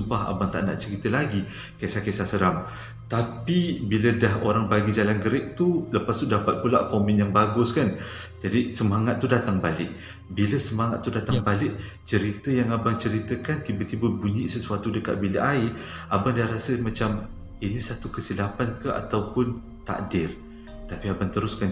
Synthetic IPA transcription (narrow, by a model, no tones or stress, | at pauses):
umbaɦa̰baŋt̪a̰ʔna̰ʔt͡ʃəɾit̪əlaɡi | kajsakasasəɾam | t̪apibilədahɦoɾaŋbaɡid͡ʒalanɡəɾɛʔ̚t̪uləpast̪udapat̪̚pulaʔkomɪnjaŋbaɡʊskan | d͡ʒadisəmaŋat̪̚ːudat̪aŋbalɪʔ̚ | biləsəmaŋat̪̚ːudat̪aŋŋbalɪʔ | t͡ʃəɾit̪əjaŋabaŋt͡ʃəɾit̪əkant̪ibət̪ibəbuɲiʔsəsuat̪udəka̰ʔ̪̚biləʔaiabandaɾasəmãt͡ʃam | inisat̪ukəsilapankəa̰t̪awpʊn | t̪a̰ʔdɪr | t̪apiabant̪əɾʊskan